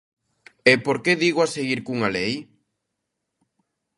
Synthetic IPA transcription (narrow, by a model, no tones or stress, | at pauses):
epoɾkeðiɣoaseɣiɾkuŋalej